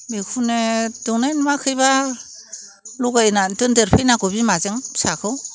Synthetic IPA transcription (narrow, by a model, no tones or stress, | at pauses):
bekʰunedɔŋnajnmakʰɯjba | luɡajnantɯndeɾpʰɯjnaɡɔbimazɯŋsakʰɯw